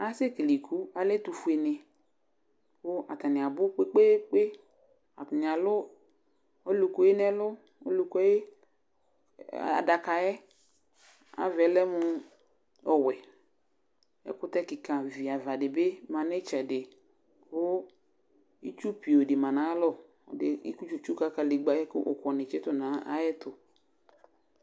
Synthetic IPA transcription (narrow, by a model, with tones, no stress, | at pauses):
a˨˦se˦ki˨li˨kʰu˦a˨lɛ˦t̪u˨fu˨e˨nɪ˨ | kʊ˦a˨t̪a˨nɪ˨a˨bʊ˦k͡pe˦k͡pe˦k͡pe˦ | a̰˨tn˨a˨lʊ˦ | o˦lu˨ko˨˦je˦nɛ˦lʊ˦ | o˦lu˨kɔ˦je˦ | a̰˨da˨ka˨ɛ˦ | a̰˨vɛ˨˦lɛ˦mʊ˨ | ɔ˨wɛ˨ | ɛ̰˦kʊ˦t̪ɛ˦kɪ˨kã˨vi˨a˨va˨dɪ˨bɪ˦mã˨nɛ˦t͡ʃɛ˨dɪ˨ | kʊ˦ | i˦t͡ʃu˦pi˨o˨dɪ˨mã˨nã˨˦lɔ˦˨ | dɪ˨ḭ˦ku˦t͡ʃu˨t͡ʃu˦ka˨ka˨lɪ˨ɡ͡ba˨jɛ˦kʊ˦ʔʊ̰˨kɔ˨nɪ̃˨t͡ʃɛ˦t̪ʊ˦nã˨˦a̰˦jɛ˦t̪ʊ˨